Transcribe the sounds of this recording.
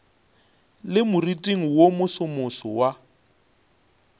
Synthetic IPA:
lɪmʊritʼiŋ̩womʊsʊmʊsɔwa

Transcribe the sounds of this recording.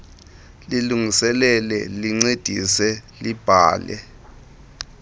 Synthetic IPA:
liluŋisɛlɛlɛliŋ͡ǀed̥ʱisɛlib̥ʱa̰ːlɛ̰

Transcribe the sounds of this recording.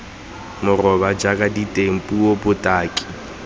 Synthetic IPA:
mʊrɔbad͡ʒakʼaditʼem̩pʼuobʊtʼaːkʼi̥

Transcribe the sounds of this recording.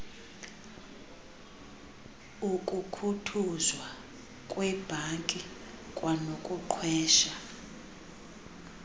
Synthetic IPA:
ukʼukʰutʰuzwa | kʼwɛb̥ʱaŋkʼi | kʼwʔanokʼuǃʰwɛːʃa

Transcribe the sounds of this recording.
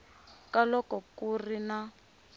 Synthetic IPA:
kalɔkɔkurina

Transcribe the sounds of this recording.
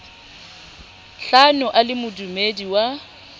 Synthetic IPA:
ɬanʊʔalɪmʊdumediwa

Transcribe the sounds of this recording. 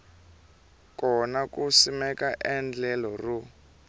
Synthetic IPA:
kɔnakusimɛkaʔɛnd͡ɮɛlɔru

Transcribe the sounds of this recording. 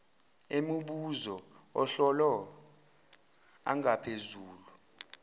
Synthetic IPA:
emuɓuzɔɔɬɔlɔ | a̰ŋapʰezuːlu

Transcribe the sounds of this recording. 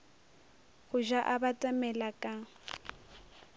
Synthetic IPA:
ɣʊʒaʔabatʼamɛlakʼa

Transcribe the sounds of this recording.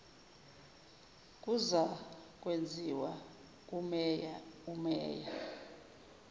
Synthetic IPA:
k̬ʼuzak̬ʼwend͡zʱiwa | k̬ʼumɛjaumɛ̰ːja

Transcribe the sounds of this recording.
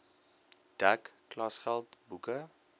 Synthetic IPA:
d̥ækː | lɑsχælˠtbukə

